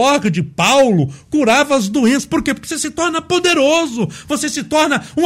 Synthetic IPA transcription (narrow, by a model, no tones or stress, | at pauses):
ɔɾkɐd͡ʒɪpawlʊkuɾavɐːzd̪uẽsɐ̥poɾkepoɾkɪ̥sesɪt̪ɔɾnɐpod̪eɾozʊvosesɪt̪ɔɾnɐũ